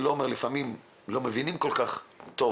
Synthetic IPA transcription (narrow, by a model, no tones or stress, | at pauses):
loomeʁlifamim | lo̞mevinimko̞lkaχt̪o